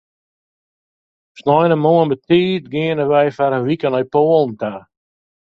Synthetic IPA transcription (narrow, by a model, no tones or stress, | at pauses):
snɔjnəmoənbətiːtɡɪənəʋɛjfaɾənʋikənɔjpoːəlˠn̩ta